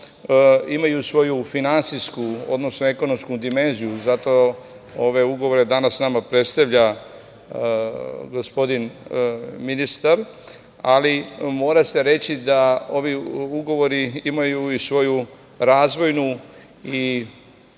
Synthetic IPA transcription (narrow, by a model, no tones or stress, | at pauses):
imajusʋo̞jufinant̪siskuo̞̰d̪no̞snoeko̞no̞mskud̪ime̞nzijuzat̪o̞ | oʋe̞uɡoʋoɾe̞d̪anasnamapɾe̞t̪st̪aʋʎa | ɡospo̞d̪in | minist̪aɾ | alimo̞ːɾase̞ɾe̞t͡ɕid̪ao̞ʋiuɡo̞ʋo̞ɾiimajuisʋo̞ju | ɾaːzʋo̞jnu | i